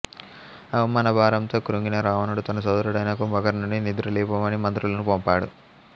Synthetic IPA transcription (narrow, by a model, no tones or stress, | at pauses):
ɐʋɐmaːnɐbʱaːɾɐmt̪o̞ːkɾuŋɡinɐɾaːʋɐnuɽut̪ɐnɐs̬ɐd̪ɐɾuɽɐjnaːkombɐɡɐɾnuɳɖinid̪uɾɐliːpɐmɐnimɐnt̪ɾulɐnupompaːɽṵ